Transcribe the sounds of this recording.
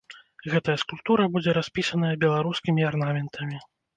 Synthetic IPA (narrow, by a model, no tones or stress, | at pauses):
ɣɛt̪ɐjɐskulʲpt̪uɾɐbud͡zʲɛɾasʲpʲisɐnɐjɐbʲɛlˠaɾuskʲimʲiarnamʲɛnt̪ʰɐmʲi